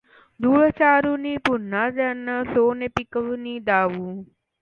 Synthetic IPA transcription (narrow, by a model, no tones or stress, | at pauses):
d̪uːɭət͡ʃaːɾunipunːazɛnəsoːnepikəʋniːd̪aːʋu